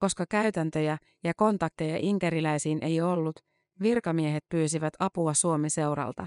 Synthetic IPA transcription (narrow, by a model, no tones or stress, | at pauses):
ko̞skɑkæyt̪ænt̪ø̞jæ | jɑko̞nt̪ɑk̚t̪ejɑʔiŋkæɾilæjsiːnʔe̞jo̞lːut̪ | ʋirkɑmie̞ɦe̞t̪̚pyːsiʋæt̪ʰɑpuɑsuo̞mese̞wɾɑ̰lt̪ɑ